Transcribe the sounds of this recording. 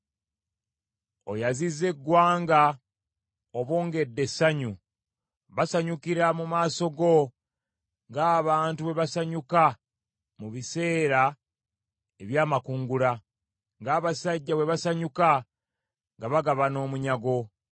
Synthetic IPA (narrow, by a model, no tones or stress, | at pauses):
o̞̰jazize̞ɡːwaːŋɡa | oβoːŋɡe̞dːe̞sːaɲu | βasaɲukiɾamumaːso̞ɡo̞ | ŋɡaːβaːntuβe̞βasaɲuka | muβise̞ːɾa | e̞βjaːmakuːŋɡula | ŋɡaːβasaɟːawe̞βasaɲuka | ŋɡaβaɡaβano̞ːmuɲaɡo̞